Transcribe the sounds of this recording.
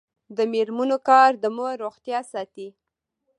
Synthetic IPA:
d̪əmeɾmunokɑɾd̪əməɾoɣt̪jɑsɑt̪i

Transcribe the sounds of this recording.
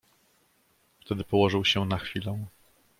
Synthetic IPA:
ft̪ɛd̪ɘpɔwɔʐɘwɕɛnaxfʲilɔ̃w̃

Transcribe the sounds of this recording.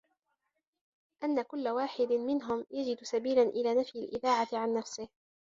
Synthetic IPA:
ʔanːakʊlːawaːħɪd̪ɪmɪnɦʊmjad͡ʒɪd̪sabiːlanʔɪlaːnafjalʔɪðaːʕat̪ɪʕanːafsɪh

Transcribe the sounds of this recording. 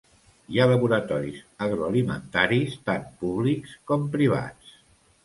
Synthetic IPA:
ialəβuɾət̪ɔɾḭsəɣɾoalimə̰nt̪aɾist̪anpuβlikskɔmpɾiβa̰s

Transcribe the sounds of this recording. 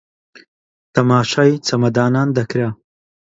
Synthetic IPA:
t̪ʰɐmaːʃaːjt͡sʰɐmɐd̪aːnaːnd̪ɐkɾa

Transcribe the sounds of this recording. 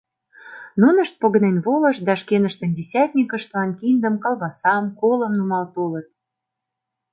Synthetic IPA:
nunə̆ʃt̪̚poɣənenβolə̆ʃd̪ɑʃkenə̆ʃt̪ə̆ndʲesʲæt̪ʲnʲikə̆ʃt̪lɑnkind̪ə̆mkɑlˠβɑsɑmkolə̆mnumɑlt̪olə̆t̪̚

